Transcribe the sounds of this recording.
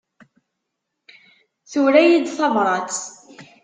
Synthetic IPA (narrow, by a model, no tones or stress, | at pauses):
θuɾæjid̪θɑvɾˤɑt͡s